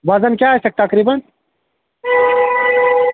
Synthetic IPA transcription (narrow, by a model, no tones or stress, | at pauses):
wɐzɐnkʲaːst̪ek̚t̪ɐkɾibɐn